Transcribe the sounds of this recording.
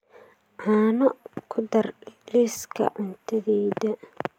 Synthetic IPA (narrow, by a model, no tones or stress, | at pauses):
ʕaːnɐkʰʊd̪ɐrliskʰɐ̰ʔʊnt̪ʰɐðiːd̪ɐ